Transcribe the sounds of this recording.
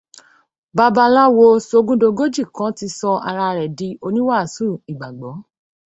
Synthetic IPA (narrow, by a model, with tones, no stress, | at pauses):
ba˧ba˧la˦wo˧so˧ɡũ˦do˧ɡo˦d͡ʒi˦˨kã˨˦ti˧˦sɔ˧a̰˧ɾa˧ɾɛ˨di˧˦o˧nĩ˦wa˦˨su˦˨i˨ɡ͡ba˨ɡ͡bɔ˨˦